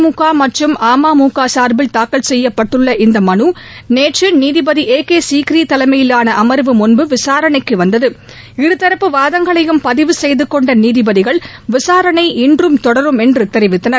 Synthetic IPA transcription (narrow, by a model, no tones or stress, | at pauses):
muːkːaːmɐʈrɯmaːmaːmuːkːaːsaːɾbɪlt̪aːkːɐlsɛjːɐpːɐʈːɯɭːɐʔɪnd̪ɐmɐnu | neːʈrɯniːðɪbɐðiʔeːkeːsiːkɾiːt̪ɐlɐɪmɐjɪlaːnɐʔɐmɐɾʋɯmʊnbɯʋɪsaːɾɐɳɐɪkːɯʋɐnd̪ɐðɯ | ɪɾɯt̪ːɐɾɐpːɯʋaːðɐŋɡɐɭɐjɯmpɐðɪʋɯsɛjðɯkːɔɳɖɐniːðɪbɐðɪɣɐɭʋɪsaːɾɐnɐɪʔɪndrɯmt̪ɔɽɐɾɯmɛndrɯt̪ːɛɾɪʋɪt̪ːɐnɐɾ